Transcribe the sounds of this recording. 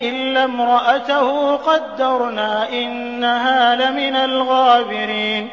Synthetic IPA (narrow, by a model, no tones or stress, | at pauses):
ʔɪlːamɾˤɑʔat̪ahuqɑd̪ːɑɾˤnaːʔɪnːaɦaːlamɪnalɣaːbɪɾiːn